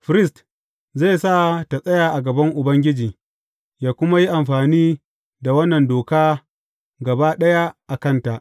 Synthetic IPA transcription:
ɸɾɪ˦st | ze˦˨sa˦˨ta˨sʼɐ˦jaː˨ʔa˨ɡɐ˨bɐ˦ŋʔʊ˨bɐ˦ŋɡʲɪ˦d͡ʒiː˨ | jaː˦kʷʊ˦ma˦ji˦ʔa˨mɸaː˨niː˦ | da˨wɐ˦nːɐ˨ndoː˨kaː˦ | ɡɐ˨baː˦ɗɐ˦ja˦ʔa˨kɐ˦nta˨ʔ

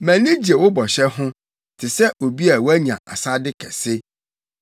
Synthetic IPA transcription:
mæ̃˨nĩ˦d͡ʑi˨e˨wʊ˦bɔ˨ɕɛ˦ɦʊ̃˦ | tʰɪ˨sɛ˦ʔo˨bi˦a˨wæ˦ɲã̰˨ʔa̰˨sa˦dɪ˦kʰɛ˨sɪ˦

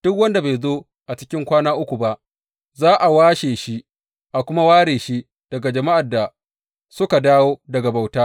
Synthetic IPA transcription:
d̥ʊ˦k̬̚wɐ˦nda˨ba˨jzoː˦ | ʔa˨t͡ʃɪ̥˦kʲɪ˦ŋkʷaː˦naː˦ʔʊ˦kʷu˨ba˦ʔ | zaː˦ʔa˨waː˦ʃeː˨ʃi˦ | ʔa˨kʷʊ˦ma˦waː˦ɽeː˨ʃi˦ | d̥ɐ˨ɡa˨d͡ʒɐ˨ma˦ʔa˨da˨ | sʊ˦ka˨daː˦woː˦dɐ˨ɡa˨ba˨wtaː˦

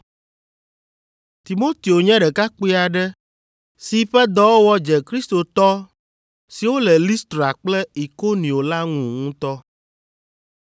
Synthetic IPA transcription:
t̪i˨mo˦t̪i˨o˨ɲɛ̃˦ɖɛ˨ka˦k͡pi˦a˨ɖɛ˦ | si˨ɸɛ˦d̪ɔ˦wo˦wɔ˦d͡ʒɛ˨kɾi˦st̪o˨t̪ɔ˦ | si˨wo˦lɛ˨li˦st̪ɾa˨k͡plɛ˦i˨ko˦nĩ˨o˨la˦ŋũ˨ŋũ˦t̪ɔ˦

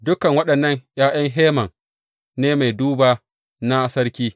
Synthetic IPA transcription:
dʊ˦kɐ˨ŋwɐ˦ɗɐ˨nːɐ˦ŋj̰ʔaː˦j̰ɐ˦ŋɦeː˦mɐ˨ŋ | neː˦ma˨jduː˦baː˦ | na˦sɐ˦ɽkʲiː˦

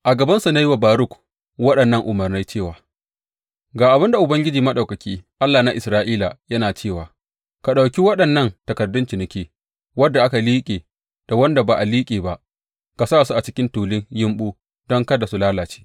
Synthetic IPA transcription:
ʔa˨ɡɐ˨bɐ˦nsu˨na˦ji˦wa˨baː˨ɾʊ˦˨k | wɐ˦ɗɐ˨nːɐ˦ŋʔʊ˨mɐ˨rna˦jt͡ʃeː˦˨waː˨ | ɡaː˨ʔa˨bɪ˦nda˨ʔʊ˨bɐ˦ŋɡʲɪ˦d͡ʒiː˨mɐ˦ɗa˨wkɐ˨kʲiː˦ʔa˦lːaː˨na˦ʔɪ˨sɾaː˦ʔiː˦la˨jɐ˦naː˨t͡ʃeː˦˨waː˨ | ka˨ɗa˨wkʲi˦wɐ˦ɗɐ˨nːɐ˦˨ntɐ˨kɐ˨rdʊ˦nt͡ʃi˨nɪ˦kʲeː˦ | wɐ˦dːa˨ʔa˦ka˨liː˦kʲʼeː˨ | d̥a˨wɐ˦nda˨baː˨ʔa˨liː˦kʲʼeː˨ba˦ʔ | ka˨saː˦˨su˦ʔa˨t͡ʃɪ˦kʲɪ˦ntuː˨lɪ˦ŋjɪ˦mɓuː˦ | dɔ˦ŋkɐ˦da˨su˦laː˦laː˨t͡ʃe̥ː˦

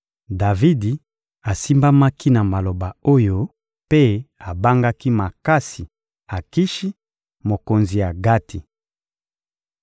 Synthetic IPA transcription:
da˨vi˦di˨ | a˨si˦mba˦ma˦ki˦na˨ma˨lo˨ba˨o˦jo˦ | pe˦a˨ba˦ŋɡa˦ki˦ma˨ka˦si˨ | a˨ki˦ʃi˦ | mo˨ko˨nzi˨ja˨ɡa˦tʰi˨

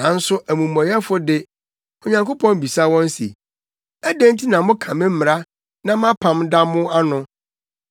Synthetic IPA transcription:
nã˨n̩˦sʊ˦ʔæ˨mũ˨mɔ̃˨jɛ˦fʊ˦dɪ˦ | ɔ˨ɲã˨ŋko˦pʰɔ̃˦m˦bi˨sa˦wɔ̃˦n˦sḭ˨ | æ˦dæ̃˦n˦tʰi˦nã˨mʊ̃˦kʰã˨mɪ̃˦m̩˦m˨ɾa˦ | nã˦m˦ã˦pʰã˨mda˦mʊ̃˦a˦nʊ̃˨

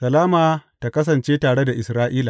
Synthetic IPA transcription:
sɐ˨laː˦maː˨ta˨kɐ˦s̬ɐ˨nt͡ʃeː˦taː˨ɽe˦da˨ʔɪ˨sɾaː˦ʔiː˦laː˨

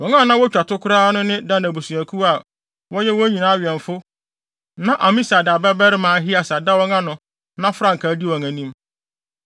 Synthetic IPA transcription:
wɔ̃˨ŋã˦˨nã˦wɔ˦t͡ɕᶣa˨tʰʊ˦kʰʊ˦ɾaː˦nʊ̃˦nɪ̃˦da˦na˨bu˨sũ˨æ˨kʰu˦a˨ | wɔ˦jɛ˦wɔ˦ɲĩ˨nãː˦a˦ɥɛ̃˨ɱ˨fʊ˦ | nã˦ʔa˨mĩ˦sa˨da˨bɛ˦bɛ˦ɾɪ˦mãː˨˦ɦɪ˦a˨sa˨da˦wɔ˦ŋã˦nʊ̃˨ | nã˦fɾã˦ŋ̩˨kʰaː˨˦di˦wɔ˨ŋã˨nĩ˦m

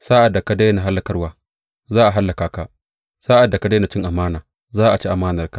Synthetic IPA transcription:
saː˦ʔa˨dːa˨ka˦da˦jna˨ɦa˦lːa˨kɐ˦rwaː˨ | zaː˦ʔa˨ɦa˦lːa˨kaː˨ka˦˨ʔ | saː˦ʔa˨dːa˨ka˦da˦na˨˦t͡ʃɪ˦ŋʔa˨maː˦naː˨ | zaː˦ʔa˨t͡ʃi˦ʔa˨maː˦nɐ˨rka˦

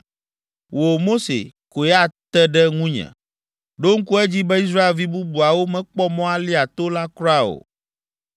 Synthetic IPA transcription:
wo˨mo˦sḛ˨ko˨ja˦t̪ɛ˦ɖɛ˦ŋũ˦ɲɛ̰̃˨ | ɖo˦ŋ̩˦ku˦ɛ˦d͡ʑi˦bɛ˦i˦s̬ɾa˦e˨lvi˦bu˦bu˨a˨wo˦mɛ̃˨˦k͡pɔ˦mɔ̃˦a˦li˦a˨t̪o˦la˦klɔ˦a˦o̰˨

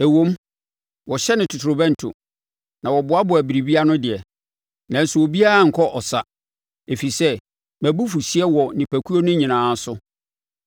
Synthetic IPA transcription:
æ˨wõ˦m | wɔ˨ɕɛ˦nɪ̃˨tʰʊ˨tʰɾʊ˨bɛ̃˦n̩˨tʰʊ̰˨ | nã˨wɔ˨bʊ˨˦a˦bʊ˨æ˨bi˨ɾi˨bi˦a˦nʊ̃˦dɪ˨ɛ˨ | nã˨n˦sʊ˨wo˨bi˦a˦ɾa˨ŋ̩˨kʰɔ˦ʔɔ˨sa˨ | e˨fi˨sɛ˦ | mæ˨bu˦fu˨si˦ɛ˦wɔ˨nɪ̃˨pʰæ˨kʰu˦o˦nʊ̃˦ɲĩ˨nãː˨˦sʊ˦

